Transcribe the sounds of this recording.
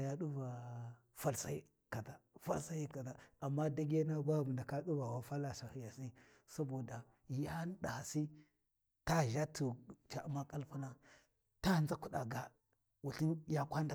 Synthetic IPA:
ja˦ɗu˦va˨ | fa˦lsa˦i˦ | ka˨ta˨fa̰˦lsa˦ji˦ka˨ta˨a˨mːa˦da˦ɡe˦na˦ba˦˨bu˨nda˨ka˦ɗu˦va˨wa˨fa˦la˨sa˨hi˨ja˨si˦ | sa˦bo˨da˨ | ja˦n˦da˨ha˨si˦ | ta˦ʒa˦tu˨t͡ʃa˨ʔu˦ma˦kʼa˦lpa˦na˦ | ta˦˨za˦ku˦ɗa˨ɡa˨ | wu˨ɬi˦nja˦kʷa˦nda˨

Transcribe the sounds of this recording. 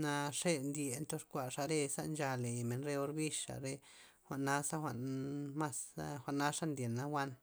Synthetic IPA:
na˧ʂe˦nd̪ʲe˧nt̪o˦ʂkʷa˨ʂa˧ɾe˧sa̰˦nd͡ʒa˧le˨jme˨nɾe˧o˧ɾbi˦ʃa̰˨ɾe˧ | xʷa˨ʔnːa˦sa˦xʷa˨ʔnma˦sxʷa˨ʔna˦ʂa˦nd̪ʲje˨nːa˧wa˦n

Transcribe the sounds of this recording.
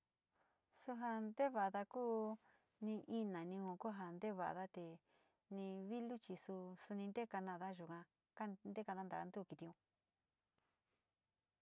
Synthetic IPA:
su˧ɦa˧nd̪e˦βa˨˧ða˧kuː˦ | nĩ˧ʔi˦nã˨nĩ˧hũ˧ku˦ɦa˧nd̪e˦βa̰˨ʔa̰˧ða˦t̪e˨ | nĩ˧βi˦lu˦t͡ʃi˧su˧su˧nĩ˧nd̪e˦ka˧nã˧ða˦ʒu˨kã˧ | ka˦nd̪e˦ka˧d̪ã˦d̪a˨a˧nd̪u˦˨˧ki˧t̪i˧ũ˧

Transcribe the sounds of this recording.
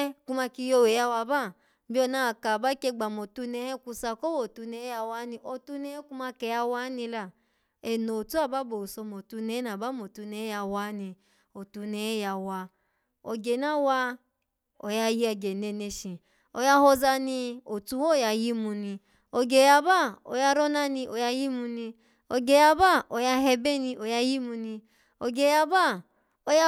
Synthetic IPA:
ku˧ma˧ki˧jo˧˨we˨ja˧wa˧ba˦˨ | bi˦ɔ˧˨na˦˨ka˨ba˦ke˧ɡ͡ba˨mo˨tu˧nɛ˧˦hɛ˦ku˧sa˧ko˦wo˨tu˧nɛ˧˦a˧wa˦nĩ˧ʔo˧tu˧nɛ˧hɛ˦ku˧ma˧kɛ˧ja˧wa˦nĩ˧la˨ | e˨no˨tu˦a˦˨ba˦bo˨sɔ˧mo˨tu˧nɛ˧˦na˨ba˨˦mo˨tu˧nɛ˧˦ja˧wa˨˦nĩ˧ | o˨tu˧ne˧ɛ˦ja˧wa˧ | o̰˨ɡe˨na˦wa˧ | o̰˨ja˧ji˦a˧ɡe˨ne˧ne˧ʃĩ˨ | o˧ja˧hɔ˧za˧ni˧o˨tu˧wo˦˨ja˧ji˦mu˧ni˧ | o˧ɡe˨ja˧ba˦˨o̰˨ja˧ɾɔ˦na˦nĩ˧ʔo˨ja˧ji˦mu˧ni˧ | o˧ɡe˨ja˧ba˦˨o˨ja˧ɦɛ˧bɛ˦ni˧ʔo˨ja˧ji˦mu˧ni˧ | o˨ɡe˨ja˧ba˦˨ | o˧ja˧

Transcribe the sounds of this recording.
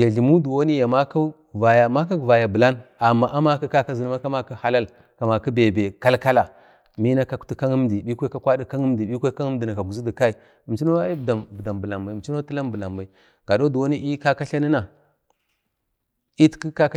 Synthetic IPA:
ja˨ɮi˨mu˦du˨wo˦ni˦ja˨ma˦ka˦ | va˨ja˨ma˦ka˦kva˨ja˨bə˨la˦na˨mːa˨ʔa˦ma˦ka˦ka˦ka˦zi˨n˦a˦ka˦ma˦ka˦ha˦la˦l | ka˨ma˨ki˦be˨be˨ka˦lka˦la˨ | mi˦na˦ka˨ku̥˨˦ti˦ka˦ŋi˦m˦di˨bi˦kʷe˦ka˦kʷa˦di˦ka˦ŋi˦m˦di˨ɓi˦kʷe˦a˦ŋ˦m˦di˨na˨ka˨ɡu˨zu˦di˨ka˦i˨ | m˨t͡ʃi˦no˦a˦i˦bda˨mbda˨mbə˨la˨mba˨m˨t͡ʃi˦no˦ti˦la˦mbə˨la˨mba˨i˨ | ɡ̥a˨do˦du˨wo˦ni˦i˦ka˦ka˦ɬa˦ni˦na˨ | i˦tki˦ka˦k

